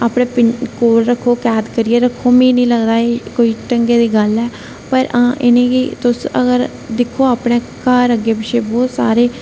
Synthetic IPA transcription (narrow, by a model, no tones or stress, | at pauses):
aːpɽẽːpɪnkoːɾɾəkʰːoːkɛːd̪kəɾiːeːɾəkʰːoːmĩːnĩːləɡd̪aːeːkoːiːʈəŋɡeːd̪iːɡəlɛː | pəɾãːʔɪ̰nẽːɡiːt̪ʊsə̰ɡəɾ | d̪ɪkʰoːaːpɽẽː | kaːɾəɡeːpɪʃeːbɔːt̪sa̰ːɾeː